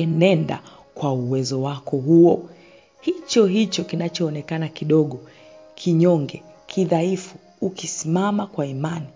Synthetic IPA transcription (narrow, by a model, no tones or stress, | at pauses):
ɛnɛnda̰ | kwauwɛzɔwakɔɦuɔ | hit͡ʃɔɦit͡ʃɔkinat͡ʃɔːnɛkanakiɗɔɠɔ | kʰiɲɔŋɡɛ | kʰiðaifu | ukisimamakwaimani